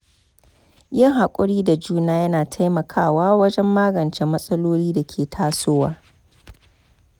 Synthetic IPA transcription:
jɪ˦˨ŋɦa˨kʷʼʊ˦ɽiː˦da˨d͡ʒuː˦naː˦jɐ˦naː˨tʰa˦jmɐ˨kʰaː˦˨waː˦wɐ˦d͡ʒɛ˦mːaː˦ɡɐ˨nt͡ʃe˦mɐ˦sʼɐ˦loː˦liː˦da˨kʲʰeː˨tʰaː˦soː˦waː˦

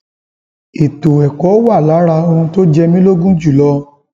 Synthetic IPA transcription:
i˨to˨ɛ˨kɔ˨˦wa˦˨la˨˦ɾa˧o˧hũ˧to˦d͡ʒɛ˧mĩ˦lo˦ɡũ˦d͡ʒu˦˨lɔ˧˦

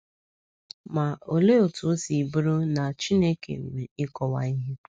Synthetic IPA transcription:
ma˨o˨le˦o˨tu˨˦si˨bu˦ɾʊ˦na˨t͡ʃi˦ne˦kḛ˨m˨me˨ɪ˦kɔ˨wa˨i˦ɦe˦

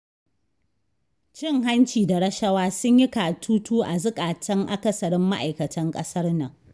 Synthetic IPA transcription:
t͡ʃɪ˦˨ŋɦa˦nt͡ʃiː˨da˨ɾɐ˦ʃɐ˦waː˦sʊ˦ɲjɪ˦kaː˨tʰuː˦tuː˦ʔa˨zʊ˦kʼaː˨tɐ˦ŋʔa˨kɐ˦sɐ˨ɽɪ˦mːa˦ʔa̰˨jkɐ˨tʰɐ˦ŋkʼɐ˦sɐ˦rnɐ˨ŋ

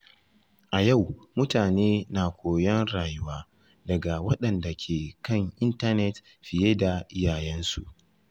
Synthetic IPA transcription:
ʔa˨ja˦˨wmʊ˦taː˨neː˦naː˨kʷʰoː˨jɐ˦nɽaː˨jʊ˦waː˦ | dɐ˨ɡa˨wɐ˦ɗɐ˨nda˨kʲʰeː˨kɐ˦˨ŋʔɪ˦nta˦nɛ˨t | ɸɪ˨jeː˦da˨ʔɪ˦jaː˨jɛ˦nsṵ˨ʔ

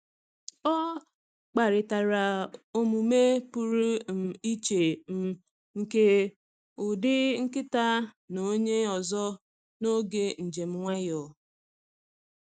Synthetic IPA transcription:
ɔ˦ | k͡pa˨ɾɪ˨ta˨ɾa˨o˦mu˨me˦pu˦ɾu˦m̩˨i˦t͡ʃe˨m̩˨ | ŋ̩˨ke˦ | ʊ˨dɪ˦ŋ̩˦kɪ˦ta˦ | no˦ɲe˦ɔ˨zɔ˦ | no˦ɡe˦n̩˨d͡ʒe˨m̩˦ŋʷa˦jɔ˨

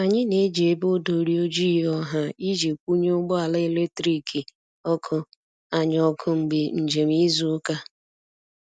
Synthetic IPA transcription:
a˨ɲɪ˦ne˨˦d͡ʒe˨˦bo˦do˨ɾi˦o˦d͡ʒiː˦ɔ˦ɦa˦i˦d͡ʒe˨kʷu˦ɲe˦ʊ˦ɡ͡bʊ˦a˨le˦e˦˨le˦tɾi˦kʰi˨ | ɔ˦kʰʊ˦ | a˨ɲ˨˦ɔ˦kʰʊ˦ŋ͡m̩˨ɡ͡bɪ˨n̩˨d͡ʒe˨m˦i˦zu˦ka˦

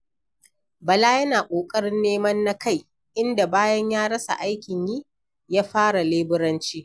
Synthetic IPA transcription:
bɐ˨laː˦jɐ˦naː˨kʷʼoː˨kʼɐ˦ɽɪ˦nːeː˦mɐ˦nːa˦ka˦˨j | ʔɪ˦nda˨baː˦jɐ˦ɲjaː˦ɽɐ˦sa̰˨ʔa˦jkʲɪ˨ɲjiː˦ | jaː˦ɸaː˦ɽa˨leː˦bɪ˦ɾɐ˦nt͡ʃiː˦

